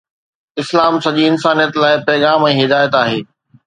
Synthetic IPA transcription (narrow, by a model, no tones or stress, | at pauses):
ɪslaːmsɐʄiɪnsaːnijət̪laːɪpɛːɣaːmɛ̃ːɦɪd̪aːjət̪aːɦeː